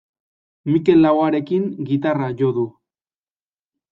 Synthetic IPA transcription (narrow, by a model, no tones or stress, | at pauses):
mike̞lːawaɾe̞kiŋɡit̪araʝo̞ðu